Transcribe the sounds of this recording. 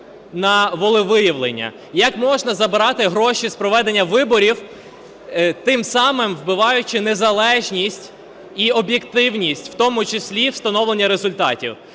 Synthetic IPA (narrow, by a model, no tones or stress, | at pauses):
nɐʋɔlˠɪʋɪjɐʋlˠenʲːɐ̰ | jɐkmɔʒnɐzɐbɪɾɑt̪ɪɦɾɔʃispɾɔʋɛd̪e̞nʲːɐʋɪbɔɾʲiw | t̪ɪmsɑmɪmʋbɪʋɑjʊt͡ʃɪnezɐlˠɛʒnʲisʲtʲ | iɔbʲjekt̪ɪwnʲisʲtʲw̥t̪ɔmʊt͡ʃɪsʲlʲiwst̪ɐnɔʋlˠe̞nʲːɐɾezʊlʲt̪ɑtʲiw